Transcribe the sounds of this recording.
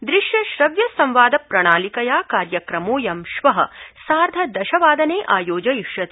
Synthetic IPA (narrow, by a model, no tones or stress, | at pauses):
d̪ɾiʃjɐʃɾɐʋjɐsɐ̃mʋaːd̪ɐpɾɐɳ̃aːlikɐjaːkaːɾjɐkɾɐmoːjɐmʃʋɐɦɐ̰saːɾd̪ʱɐd̪ɐʃɐʋaːd̪ɐneːʔaːjoːd͡ʒɐjiʃjɐt̪